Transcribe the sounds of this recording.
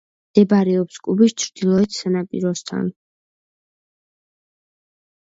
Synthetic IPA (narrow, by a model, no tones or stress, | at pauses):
d̪̥ɛbaɾɛɔpskʼubist͡ʃʰɾd̪̥ilˠɔɛt̪ʰsanapʼḭɾɔst̪ʰa̰n